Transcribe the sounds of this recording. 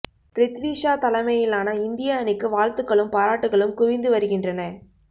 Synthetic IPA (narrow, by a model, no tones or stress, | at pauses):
pɾɪt̪ʋiːʂaːt̪ɐlɐmɐjɪlaːnɐɪnd̪ɪjɐɐnɪkːɯʋaːɻt̪ɯkːɐɭɯmpaːɾaːʈːɯɣɐɭɯmkʊʋɪnd̪ɯʋɐɾɯɣɪndrɐnɐ